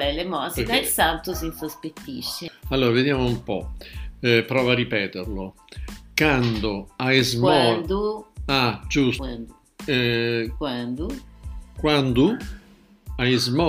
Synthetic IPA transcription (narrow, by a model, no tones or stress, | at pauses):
lɛlemɔsikailsant̪ʊsinsospet̪ːḭʃːealːoːɾaved̪jaːmoumpɔ | pɾɔːvarːipɛːt̪eɾlo | kand̪oajzmɔand̪uad͡ʒus | kwand̪ukwand̪u | aizmɔ